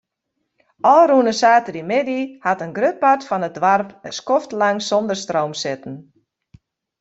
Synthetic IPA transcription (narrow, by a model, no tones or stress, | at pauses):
ʔɔlˠrunəsaːtədimɪdihatənɡrøpatfɔnədʋarpəskɔftlaŋsondərstrowmsɪtn̩